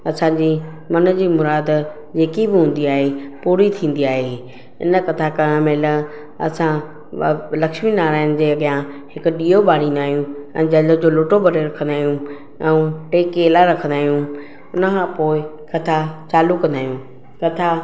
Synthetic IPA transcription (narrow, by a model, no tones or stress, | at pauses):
ɐsãːd͡ʑiː | mɐnə̆d͡ʑiːmʊɾaːd̪ | d͡ʑeːkibɪɦũːn̆d̪iaːɦepuːɾit̪ʰĩːn̆d̪iaːɦe | ɪ̰nə̆kɐt̪ʰakanmẽːlɐ | ɐ̰sã | lɐkʃminaːɾaːɪnɪ̆d͡ʑeːɐɠɪjãhɪkʊ̆ɗiːoɓaːɽ̤ĩːnd̪aːɦijũɛ̰̃ːd͡ʑɐləd͡ʑoːloːʈobʱɐɾeɾɐkʰə̃nd̪aːɦijũ | ɛ̃ʈeːkːeːlaɾɐkʰə̃nd̪aːɦijũ | ʊnəkʰãːpoːɪ | kɐt̪ʰat͡ɕaːlukɐ̃nd̪aːɦijũ | kɐt̪ʰa